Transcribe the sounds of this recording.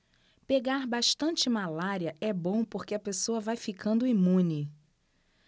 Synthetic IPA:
peɡaɾbaʃt̪ɐ̃nt͡ʃɪmalaɾiɐʔɛbõpoɾkeɐpesoɐvajfikʰɐ̃nd̪ʊimũnɪ

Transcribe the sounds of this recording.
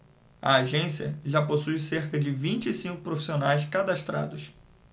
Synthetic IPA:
ɐ̰ːʒẽsiɐ̰ʒaposujseɾkɐd͡ʒɪvĩnt͡ʃɪisĩŋkʊpɾofi̥sionajs̬kad̪aʃt̪ɾa̰d̪ʊs

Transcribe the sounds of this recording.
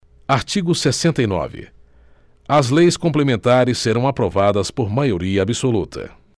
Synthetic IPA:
aɾt͡ʃiɡʊsesẽnt̪ɐjnɔ̰vɪ̰ | ɐzlejskõmplemẽnt̪aɾɪsːeɾɐ̃w̃apɾovad̪ɐspoɾmajoɾiɐːbisolut̪ʰɐ̰

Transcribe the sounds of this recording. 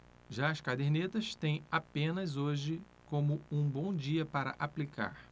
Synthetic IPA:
ʒaɐskad̪eɾnet̪ɐst̪ẽj̃apẽnɐzoʒɪ | kõmʊũbõw̃d͡ʒiɐpaɾɐ̰ʔaplika̰ɾ

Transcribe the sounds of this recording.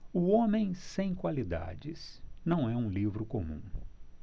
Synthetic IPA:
ʊõmẽj̃sẽj̃kwalid̪a̰d͡ʒɪsnɐ̃w̃ɛũlivɾʊkomṵ̃

